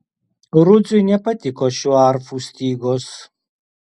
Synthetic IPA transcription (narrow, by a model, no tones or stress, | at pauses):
ɾʊd̪zʊjnʲɛpɐt̪ʲɪkoːʃʲuːɐɾfuːsʲt̪ʲiːɡoːs